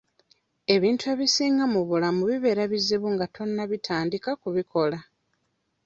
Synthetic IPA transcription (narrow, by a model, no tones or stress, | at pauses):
e̞βiːntue̞βisiːŋɡamuβulamuβiβe̞ːɾaβiziβuŋɡatʰo̞nːaβitʰaːndikakuβikʰo̞la